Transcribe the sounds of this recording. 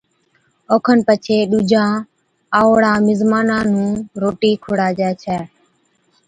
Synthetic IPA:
oːkʰənpət͡ʃʰeːɗuːd͡ʒʱãː | aːoɽãːmɪzmaːnãːnũːɾoːʈiːkʰʊɽaːd͡ʒɛːt͡ʃʰɛː

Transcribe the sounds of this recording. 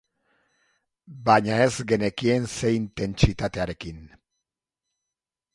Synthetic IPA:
baɲae̞zɡe̞nekie̞nse̞int̪e̞nt͡ʃit̪at̪e̞aɾe̞kin

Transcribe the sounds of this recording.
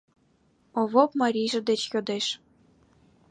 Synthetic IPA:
oβopmɑɾʲijʒɤ̆d̪et͡ɕjod̪eʃ

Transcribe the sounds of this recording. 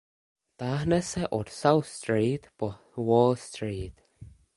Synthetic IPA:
t̪ahnəsəʔɔɾsawθstɹiːt̪b̥ɔ | wɔːlst̪ɹiːt̪

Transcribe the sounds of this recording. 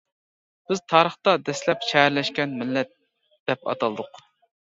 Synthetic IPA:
b̥ɪzt̪ʰɑːɾəχt̪ɑd̪ɛslɛpʃɛɦæɾlɛʃkʲɛnmɪlːɛt̪̚ | d̪̥ɛpɑ̰t̪ʰɑlˠɨd̪ʊq

